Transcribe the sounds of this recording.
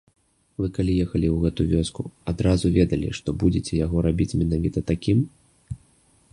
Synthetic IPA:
vɨkalʲijɛxɐlʲiwɣɛt̪uvʲɔskuad̪ɾazuvʲɛd̪ɐlʲḭʂt̪ɔbud͡zʲet͡sʲɛjaɣɔɾabʲit͡sʲmʲinavʲit̪ɐt̪akʲim

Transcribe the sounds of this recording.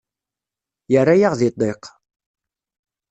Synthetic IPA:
jərːajaʁðit̪ˤːeq

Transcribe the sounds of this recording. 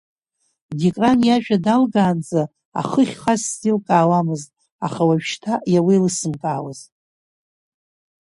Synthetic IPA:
dikʼranjaʒᶣadalɡaːnd͡zʼa | a̰χəχʲχasːdilkʼaːwamɨztʼ | a̰χawaɥʃtʰajawilɨsɨmkʼaːwaztʼ

